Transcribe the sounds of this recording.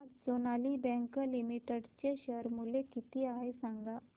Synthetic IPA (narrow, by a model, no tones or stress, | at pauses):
sonaːlibɛ̃ŋkəlimiʈəɖt͡ɕeɕəɾmulekit̪iaɦesãŋɡa